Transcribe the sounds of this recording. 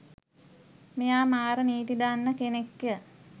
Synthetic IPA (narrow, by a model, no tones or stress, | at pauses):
mejaːmaːɾəniːt̪id̪anːəkenekjə